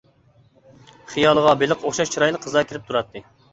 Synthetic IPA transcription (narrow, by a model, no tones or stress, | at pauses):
χijɑːlˠəʁɑbelɪqʰoχʃɑʃt͡ʃʰiɾɑjlˠəqʰːəzɑkʲʰeɾɪp̚t̪ʰuɾɑt̪ʰːɨ